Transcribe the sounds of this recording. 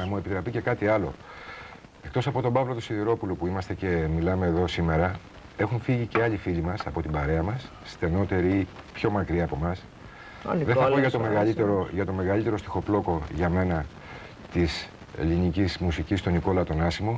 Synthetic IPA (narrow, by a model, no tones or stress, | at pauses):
nɐmue̞pit̪ɾɐpice̞kɐt̪iɐlo̞̰ | e̞kt̪o̞sɐpo̞t̪o̞bɐvlot̪usiðiɾo̞pulopuimɐst̪e̞ce̞milɐme̞ːðo̞sime̞ɾɐ | e̞xuɱfiʝice̞ɐʎifiʎimɐsɐpo̞t̪ibɐɾe̞ɐmɐsːt̪eno̞t̪e̞ɾiipço̞mɐkɾiɐːpo̞mɐs | nðeθɐppoʝɐt̪omeɣɐit̪eɾoʝɐt̪o̞me̞ɣɐlit̪e̞ɾost̪i̥xo̞plo̞ko̞ʝɐme̞nɐ | t̪is | e̞̰linicizmusicist̪o̞niko̞lɐt̪o̞nɐsimo̞